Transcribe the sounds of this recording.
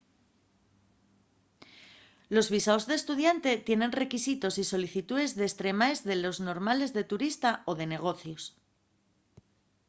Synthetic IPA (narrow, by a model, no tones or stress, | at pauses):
lo̞zβisaozðe̞ːst̪uð̞jant̪e̞t̪je̞ne̞nre̞kisit̪o̞siso̞liθit̪uðe̞zðeːst̪ɾe̞mae̞zðe̞lo̞zno̞ɾmale̞zðe̞t̪uɾist̪ao̞ð̞e̞ne̞ɣ̞o̞θjos